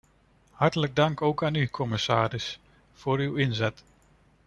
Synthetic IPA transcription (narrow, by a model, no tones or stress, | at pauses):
hɑɹtələɡ̚dɑŋkowkaːnykʰɔmɪsaːɾɪs | foːɾywɪnzɛt